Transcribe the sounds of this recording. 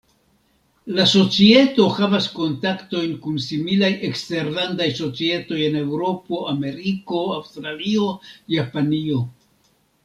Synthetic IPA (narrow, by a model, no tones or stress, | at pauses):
laso̞t͡sie̞to̞xavasko̞ntakto̞jnkunsimilajʔe̞kste̞ɾlandajso̞t͡sie̞to̞je̞ne̞wɾo̞po̞ame̞ɾiko̞awstɾalio̞japanio̞